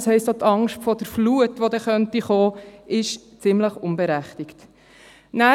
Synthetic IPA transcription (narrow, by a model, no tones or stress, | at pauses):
shɛɪstot̪ɑŋʃtfɔd̥əɾfluətʋodɛχœntiχoːʔɪʃ | t͡sɪmləχʊnbeɾæχtɪkt | næ